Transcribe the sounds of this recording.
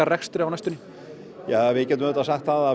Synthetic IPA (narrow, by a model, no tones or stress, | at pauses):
arɛxst̪ɾɪawnajst̪ʏnɪ | javɪcɛt̪ʏmːt̪asaxt̪θaða